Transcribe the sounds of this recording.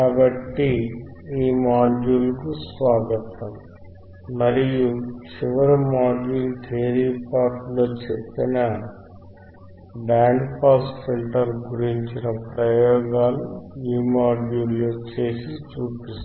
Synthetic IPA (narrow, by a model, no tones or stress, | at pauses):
kaːbɐʈːiiːmaːd͡ʒuːlkusʋaːɡɐt̪ɐm | mɐɾijut͡ʃiʋɐɾɐmaːɖjuːlt̪eːɾiːpaːɾʈloːt͡ʃepːinɐ | ɖaːɳɖpʰaːsfilʈɐɾɡuɾiɲt͡ʃinɐpɾɐjɔːɡaːluiːmaːɖuːlːot͡ʃeːsit͡ʃuːpist̪